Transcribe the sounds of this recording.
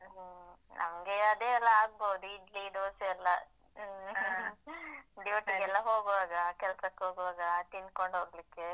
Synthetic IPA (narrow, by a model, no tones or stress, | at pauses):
ɦnʔɐ̰mɐɡeɐd̪eːɛlːɐaːɡ̚bɐwd̪uid͡ʒlid̪oːsɐɛlːɐ | ɖjuʈiɡɛlːɐɦoːɡʋaːɡɐkɛlɐsɐkːeɦoːɡʋaːɡɐt̪ind̪̚koɳɖɦoːɡɐlikːe